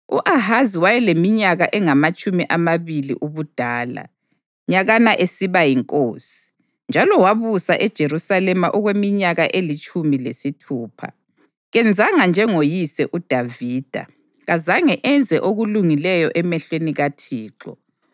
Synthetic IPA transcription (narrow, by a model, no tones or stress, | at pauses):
uʔaɦaziwajɛlemiɲaɣaʔɛŋamat͡ʃʼumiʔamaβilḭʔuβud̥ʱaːla̰ | ɲaɣanaʔesiβajiŋkʼoːsi̥ | nd͡ʒʱalɔwaβusaʔɛd̥ʒ̥ʱeɾusalɛmaʔɔɣwemiɲaɣaʔelit͡ʃʼumilesitʰuːpʰa̰ | ɣɛnd͡zʱaŋand͡ʒʱɛŋojisɛʔud̥ʱaviːd̥ʱa̰ | ɣazaŋɛʔɛnd͡zʱɛʔoɣuluŋilɛjɔʔɛmɛɬweniɣatʰiːǁɔ̰